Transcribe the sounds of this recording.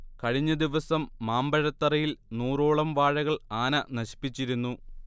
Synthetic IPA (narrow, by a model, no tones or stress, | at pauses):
kɐɻiɲːɐd̪iʋɐsɐmːaːmbɐɻɐt̪ːɐrɐjilnuːroːɭɐmʋaːɻɐɣɐɭaːnɐnɐɕi̥pːit͡ɕːiɾunːu